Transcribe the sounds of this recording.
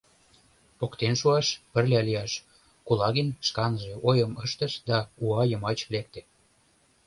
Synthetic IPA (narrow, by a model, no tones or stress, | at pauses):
pokt̪enʃuɑʃpə̆rlʲeɑlijɑʃ | kulɑɣenʃkɑnʒeʔojəməʃt̪əʃd̪ɑuɑjəmɑt͡ɕlek̚t̪ĕ